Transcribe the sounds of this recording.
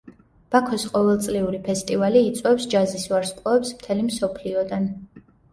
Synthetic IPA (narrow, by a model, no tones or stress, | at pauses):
b̥akʰɔsqʼɔvɛlˠt̪sʼliuɾipʰɛst̪ʼivaliːt̪sʼwɛpsd͡ʒazisvaɾsqʼɔɛpsmt̪ʰɛlimsɔpʰliɔd̪an